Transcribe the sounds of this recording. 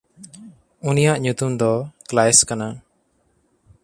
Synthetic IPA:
unijaʔɲut̪umd̪ɔklajɛskana

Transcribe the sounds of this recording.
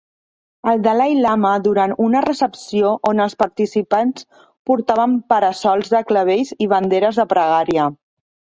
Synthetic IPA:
əlˠd̪əlajlaməðuɾanunərəsəpsioʔonəlˠspəɾt̪isipans | puɾt̪aβəmpəɾəsɔlˠzðəkləβ̞ejziβ̞ənd̪eɾəzðəpɾəɣaɾiə

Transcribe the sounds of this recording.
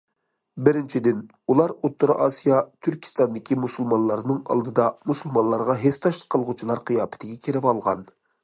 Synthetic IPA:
bɪɾɪnt͡ʃʰid̪ɪn | ulˠɑɾut̪ːʊɾɑʔɑːsijɑt̪ʰyɾkʲʰi̥st̪ɑnd̪ɪkʲʰimusulˠmɑnlˠɑɾnɨŋɑ̰lˠd̪ɨd̪ɑmusulˠmɑnlˠɑɾʁɑɦest̪ʰɑʃlˠə̥qʰːəlˠʁʊt͡ʃʰilˠɑɾqʰɨjɑːpɪ̥t̪ʰɪɡʲɛkʲʰeɾɪpɑlˠʁɑ̰n

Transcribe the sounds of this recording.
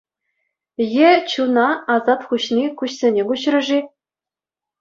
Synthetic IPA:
jĕt͡ɕunɑɑzɑt̪χuɕnʲikuɕsʲenʲeɡuɕrɤ̆ʐi

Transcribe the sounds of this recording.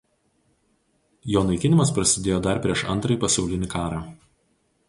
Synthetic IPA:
joːnɐɪkʲɪnʲɪmɐspɾɐsʲɪd̪ʲeːjoːd̪ɐɾpʲɾʲiɛʃɐ̰nt̪ɾɐjpɐsʲɛʊlʲɪnʲɪkɑːɾɑː

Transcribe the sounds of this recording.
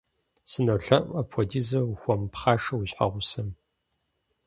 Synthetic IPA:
sɨnɐwɬɐʔʼɐpʰɔdiːzɐxʷɔmpχaːʂɐwuɕħa̰ʁʷʊsɐm

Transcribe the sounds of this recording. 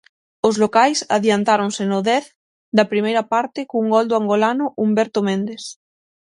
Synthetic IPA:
ozlokajsa̰ðjant̪aɾonsenoðɛθ | d̪ɐpɾimejɾɐpaɾt̪ɪkouŋɡɔld̪oaŋɡolanʊʔumbɛɾt̪omẽnd̪eθ

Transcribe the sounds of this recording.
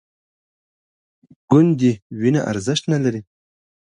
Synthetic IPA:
ɡ̥ʊnd̪iwinaʔa̰ɾzəʃt̪nalaɾi

